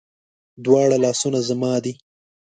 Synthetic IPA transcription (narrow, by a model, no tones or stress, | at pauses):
d̪wɑːɽalɑːsunazamɑd̪i